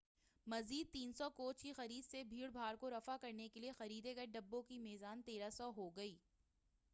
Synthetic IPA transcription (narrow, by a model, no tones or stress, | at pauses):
mɐziːd̪̚t̪iːnsɔkoːt͡ʃkixɐɾiːd̪sebʱiːɽbʱaːɾkoɾɐfakɐɾnekeliexɐɾiːd̪eɡɐɖɐbːõkimɛːzaːnt̪eːɾasɔɦoɡɐiː